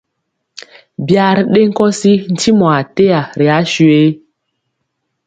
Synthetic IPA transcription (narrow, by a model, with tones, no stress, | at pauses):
bja˦ɾɗe˦ŋ̩˦kɔ˦si˦n̩˨ti˦mɔ˨a˨te˦ja˨ɾi˨a˨˦ʃu˨e˦